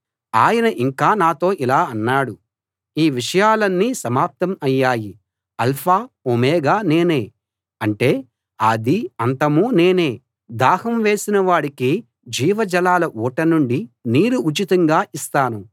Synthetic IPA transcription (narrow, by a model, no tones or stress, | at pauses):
aːjɐnɐʔiŋkaːnaːt̪o̞ːʔilaːɐnːaːɽu | iːʋiʂɐjaːlɐnːiːsɐmaːp̚t̪ɐmɐjːaːji | ɐlpʰaː | omɛːɡaːne̞ːne̞ː | ɐɳʈe̞ː | ɐd̪iɐnt̪ɐmuːne̞ːne̞ː | d̪aːhɐmʋe̞ːsinɐʋaːɽiki | d͡ʒiːʋɐd͡ʒɐlaːlɐʔuːʈɐnuɳɖiniːɾuʔːt͡ʃit̪ɐŋɡaːʔist̪aːnu